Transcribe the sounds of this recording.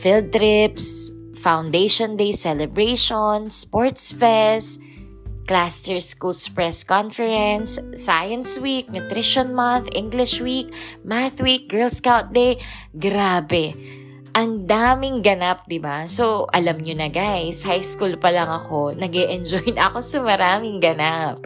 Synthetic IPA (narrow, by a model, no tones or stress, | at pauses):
fɪld̪̚t̪ɾɪps | fawnd̪ejʃond̪ejsɛlɛbɹeʃonspoɹt̪sfɛs | klast̪ɛɹskulspɹɛskɔnfɛɹɛnsːajɐnswik̚nʊt̪ɾɪʃonmanθʔɪ̃ŋɡlɪʃwik̚maθwik̚ɡ̥ɛ˞lskawt̪̚d̪ej | ɡɾaːbɛ | ʔɐŋd̪aːmɪŋɡɐnap̚d̪ɪbasoʔɐ̰lɐmɲʊnɐɡajshajskulpɐlɐŋɐko̞nɐɡɛʔɛnd͡ʒojnɐɐ̰ko̞sɐmɐɾaːmɪŋɡɐnap̚